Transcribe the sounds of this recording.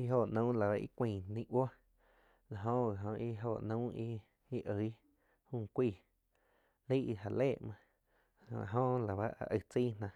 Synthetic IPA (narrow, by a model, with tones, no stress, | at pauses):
i˦ɦo˧˨nə̃˦la˨a˧ʔḭ˦kʷĩː˧˨nĩ˦ʔwo˦ | la˨ɦõ˦ɣa˨ɦõ˧ʔi˦ɦo˧˨ʔnə̃˦i˦ | i˦ʔə˨˦ | hũː˦˧˨kʷiː˧˨ | lə˦i˧ɦa˧˨leː˦˨ʔmã˧ | a̰˨ɦõ˦ʔla˨βa˦ʔa̰˨ʔə˧˨t͡si˦nã˧